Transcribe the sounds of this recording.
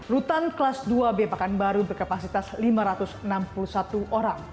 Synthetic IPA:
rut̪anklasduabepakanbaɾubərkapasit̪aslimaɾat̪ʊsənampulusat̪uʔoɾaŋ

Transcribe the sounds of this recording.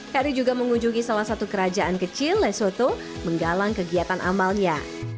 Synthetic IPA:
kaɾid͡ʒuɡaməŋuɲd͡ʒuŋisalahsat̪ukəɾad͡ʒaʔankət͡ʃɪlːɛsot̪o | məŋɡalaŋkəɡiat̪anʔa̰malɲa

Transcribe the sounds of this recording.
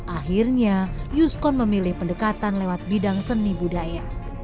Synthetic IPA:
ʔaɦirɲajuskɔnməmilɪhpəndəkat̪anlewat̪̚bidaŋsənːibudaja

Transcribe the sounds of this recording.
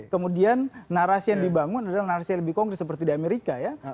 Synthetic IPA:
kəmudianːaɾasijaŋdibaŋʊnadalahnaɾasijaŋləbɪhkɔŋɡɾɛt̪səpərt̪idiameɾikaja

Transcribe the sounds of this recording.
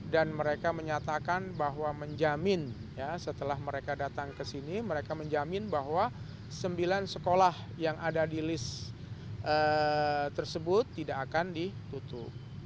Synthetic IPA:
danməɾekaməɲat̪akanbaɦwaməɲd͡ʒamɪn | jasət̪əlahməɾekadat̪aŋkəsiniməɾekaməɲd͡ʒamɪnbaɦwa | səmbilansəkolah | jaŋʔadadilɪs | ʔət̪ərsəbʊt̪ːidaʔːkandit̪ut̪ʊ̰p̚

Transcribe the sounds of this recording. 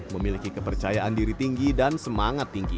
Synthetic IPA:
məmilikikəpərt͡ʃajaʔandiɾit̪iŋɡidansəmaŋat̪ːiŋɡi

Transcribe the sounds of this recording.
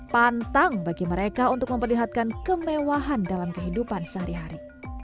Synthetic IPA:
pant̪aŋbaɡiməɾekaunt̪ʊk̚məmpərliɦat̪̚kankəmewaɦandalamkəɦidupansəɦaɾiɦaɾi

